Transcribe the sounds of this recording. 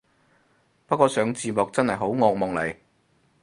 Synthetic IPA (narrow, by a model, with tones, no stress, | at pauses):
pɐ˥t̚kʷɔː˧sœː˨˥ŋt͡siː˨˧mɔ˨k̚t͡sɐ˥nhɐ˨jɦo˨˥wŋɔː˧k̚mʊ˨ŋle˨˩j